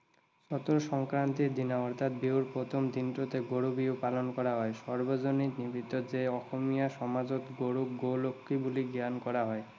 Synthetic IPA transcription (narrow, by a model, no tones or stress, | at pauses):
ʃɔt̪oɾoʃɔŋkɾant̪id̪inaɔɾt̪ʰat̪̚biuɾpɾot̪ʰomt̪inʈot̪eɡoɽubiopalonkɔɾaɦɔeʃɔɾbod͡ʑonitnibʱit̪ːod͡ʑeɔkomijaʃɔmad͡ʑot̪ɡoɽukɡolokʰːibuliɡankɔɾaɦɔe